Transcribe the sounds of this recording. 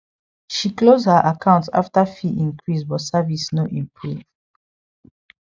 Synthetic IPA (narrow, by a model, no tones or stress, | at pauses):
ʃiklozdhəʔakʰãʊ̃ntsa̰ftafiʔĩŋkɹisbɔsavisnoʔĩmpʰɹuv